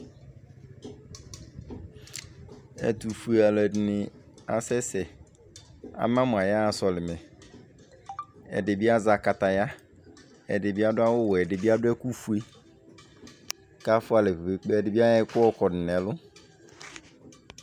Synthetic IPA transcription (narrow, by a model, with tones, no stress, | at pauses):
ɛ˨tu˨fu˨e˨a˨lɛ˨dɪ˨nɪ̃˨ | a̰˨sɛ˦sɛ˨ | a̰˨mã˦mʊ̃˨a˨ja˦˨sɔ˨lɪ˨mɛ̃˨ | ɛ̰˨dɪ˨bi˦a˦za˨ka˨ta˨ja˦ | ɛ˨dɪ˨bi˦a˦dʊ˦a˦wʊ˦wɔ˨ɛ˨dɪ˨bi˦a˦dʊ˦ɛ˦ku˦fu˨e˦ | ka˦fʊ˦a˨lɛ˨fbe˨k͡pe˦ɛ˨dɪ˨bi˦a˦jɛ˦kʊ˦ɔ˦kɔ˨nɪ˨nɛ˨lʊ˦